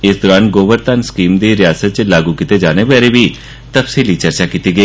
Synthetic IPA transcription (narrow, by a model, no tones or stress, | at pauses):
ɪsd̪ɔːɾãːnɡoːʋəɾt̪anskiːmd̪iːɾɪjaːsət̪̚t͡ʃlaːɡuːkɪt̪eːd͡ʒaːneʋaːɾeːbiː | t̪əpsiːliːt͡ʃəɾt͡ʃaːkit̪iːɡəeː